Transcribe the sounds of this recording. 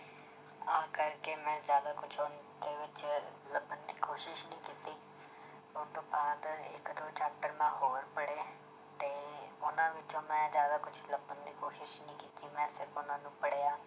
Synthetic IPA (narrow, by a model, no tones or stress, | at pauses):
aːkəɾkeːmɛ̃ːzjaːd̪aːkʊt͡ʃʰʊnd̪eːʋɪt͡ʃləbənd̪iːkʰoːʃɪʃnĩːkiːt̪iː | ʊt̪õːbaːd̪ɪ̰kd̪oːt͡ʃɛːk̚ʈəɾmãːɦoːɾpəɽeː | t̪eːʊnãːʋɪt͡ʃõːmɛ̃ːzjaːd̪aːkʊt͡ʃʰləbənd̪iːkoːʃɪʃnĩːkiːt̪iːmɛ̃ːsɪɾfʊnãːnũːpəɽeːaː